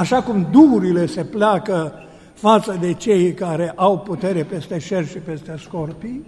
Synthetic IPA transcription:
aʃakumd̪uuɾile̞se̞pleakə | fat̪səd̪e̞t͡ʃe̞jkaɾe̞ʔawput̪e̞ɾe̞pe̞st̪e̞ʃe̞rʃipe̞st̪e̞sko̞rpi

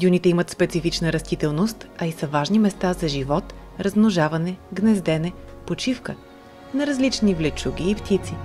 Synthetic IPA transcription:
d̪ʲunit̪ɛimət̪spɛt̪sifit͡ʃnəɾɐst̪it̪ɛlˠnost̪ɐisəvaʒnimɛst̪azɐʒivɔt̪ | ɾɐzmnoʒavɐnɛɡnɛzd̪ɛnɛpot͡ʃifkə | nɐɾɐzlit͡ʃnivlɛt͡ʃuɡʲiːpt̪it̪si

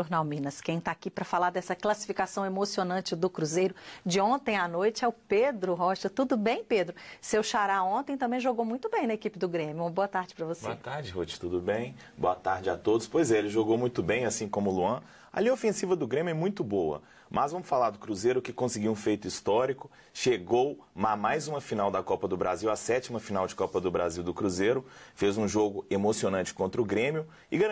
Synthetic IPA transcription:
ʒoɾnawmĩnɐskẽj̃t̪aakipɾɐfalaɾd̪ɛsɐklasi̥fikasɐ̃w̃emosionɐ̃t͡ʃɪd̪ʊkɾuzejɾʊd͡ʒɪõnt̪ẽj̃anojt͡ʃɪɛʊped̪ɾʊɦɔʃɐt̪ud̪ʊbẽj̃ped̪ɾʊsewʃaɾaõnt̪ẽj̃t̪ɐ̃bẽj̃ʒoɡowmũj̃t̪ʊbẽj̃nɐekipɪd̪ʊɡɾẽmjʊũmɐboɐt̪aɾd͡ʒɪpɾɐvosboeɐt̪aɾd͡ʒɪɦut͡ʃɪ̥t̪ud̪ʊbẽj̃ | bo̰ɐt̪aɾd͡ʒɪa̰t̪od̪ʊspojzɛelɪʒoɡowmũj̃t̪ʊbẽj̃asĩkõmʊluɐ̃ | ɐ̰lĩɐofẽsivɐd̪ʊɡɾẽmʲjʊɛmũj̃t̪ʊbowɐ̰ | mʔɐzvɐ̃mʊsfalaɾd̪ʊkɾuzeɾʊkɪkõsɪɡiwũfejt̪ʊist̪ɔɾikʊ | ʃeɡowmamajzũmɐfinawd̪ɐkɔpɐd̪ʊbɾa̰ziwɐsɛt͡ʃimɐfinawd͡ʒɪkɔpɐd̪ʊbɾa̰ziwd̪ʊkɾuzeɾʊfezũʒoɡʊemosionɐ̃nt͡ʃɪ̥kõnt̪ɾɐʊɡɾẽmjʊ | ɪɡa

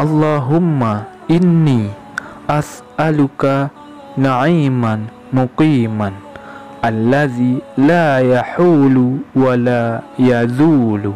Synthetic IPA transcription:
ʔɑlˤːɑːɦʊmːaʔɪnːiː | ʔasʔalʊka | naʕiːman | mʊqiːman | ʔalːaðiːlaːjaħuːlwalaːjazuːl

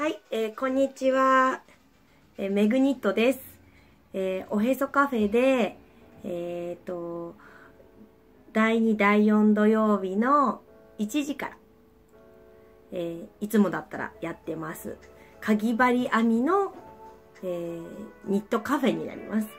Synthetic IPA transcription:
haieːkõ̞ɲ̟ːit͡ɕiβa | eme̞ɡɯ̟ɲ̟it̪ːo̞d̪e̞sɨ̥ | eo̞ɦe̞so̞kaɸe̞d̪e̞ː | t̪ːo̞ | d̪̥aiɲ̟id̪aijõ̞nd̪o̞jo̞ːbʲino̞ | it͡ɕiʑikaɾa | eːit͡sɨmo̞d̪at̪ːaɾa̰jat̪ːe̞masɨ̰kʰaɡʲibaɾʲiʔamʲino̞ | eːɲ̟it̪ːo̞kaɸe̞ɲ̟ḭna̰ɾʲḭmʔasɨ̥

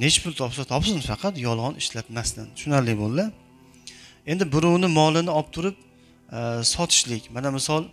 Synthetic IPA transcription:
ne̞t͡ʃpʰʊlˠt̪ʰɒpsat̪ʰɒpsɪnfɑqʰɑt̪jɒlˠʁɒnɪʃlat̪mast̪anʃʊnaɾlɪbolˠːa | e̞nd̪ɪbʊɾʊwnɪmɒlˠɪnɪɒp̚t̪ʰʊɾɪp̚ | sɒt̪ʰɪ̥ʃlɪkʲmanamɪsɒlˠ

